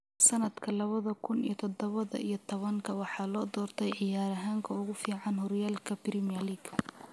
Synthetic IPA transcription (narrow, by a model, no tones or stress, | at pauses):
sɐnɐd̪kʰɐlɐβɐðɐkʰʊnḭjɔt̪ʰɔd̪ɔβɐðɐ̰ʔḭjɞt̪ʰɔβɐŋkʰɐwɑħɑːlɔːd̪ɔːrt̪ʰɛjʕɪjaːɾɐɦaːŋkʰɐʊɣʊfiːʕɑnɦɔɾjaːlkʰɐbɾɪmijɐliːɡʰ